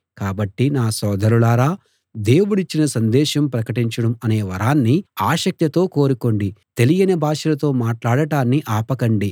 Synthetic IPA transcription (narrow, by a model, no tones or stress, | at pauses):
kaːbɐʈːinaːsɔːd̪ʱɐɾulaːɾaː | d̪e̞ːwuɽit͡ʃːinɐsɐnd̪ɛːʃɐmpɾɐkɐʈiɲt͡ʃɐɽɐmɐne̞ːʋɐɾaːnːiaːʃɐk̚t̪jɐt̪o̞ːko̞ːɾuko̞ɳɖit̪e̞lijɐnɐbʱaːʂɐlɐt̪o̞ːmaːʈlaːɽɐʈaːnːiʔaːpɐkɐɳɖi